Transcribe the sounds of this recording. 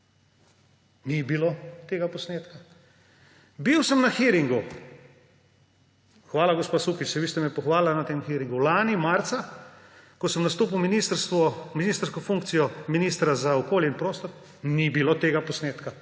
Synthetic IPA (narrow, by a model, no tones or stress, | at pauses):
nibilot̪eːɡapɔsneːt̪ka | biwsəmnaxiɾiŋɡu | xʋaːlaɡospasukit͡ʃɛʋiːst̪ɛmɛpɔxʋaːllanat̪eːmxiɾiŋɡulaːnimaɾt̪sa | kɔsəmnast̪oːp̬iwminist̪sɔminiːst̪əɾskɔfuŋk̚tsijɔminiːst̪ɾazaɔkoːljɛinpɾoːst̪ɔɾ | nibiloːt̪eːɡapɔsneːt̪ka